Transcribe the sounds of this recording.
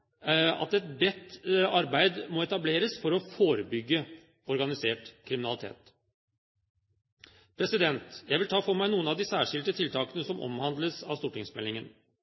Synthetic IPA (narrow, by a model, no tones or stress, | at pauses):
ɑ̰t̪ɛt̪̚bɛt̪ːɑɾbæɪd̪mɔɛt̪ɑbleːɾəsfɔɾɔfoːɾəbʏɡːə | ɔɾɡɑnɪseːʈkʰɾɪmɪnɑlɪt̪ʰḛːt̪ | pʰɾɛsɪd̪ɛnt̪jæɪʋɪlt̪ʰɑːfoːmæɪnuːənɑʋd̪ɪsæːʂɪlt̪ət̪ʰɪlt̪ʰɑːkənəsɔmɔ̰mhɑnd̪ləsɑ̰ʋst̪uːʈɪŋsmɛlɪŋən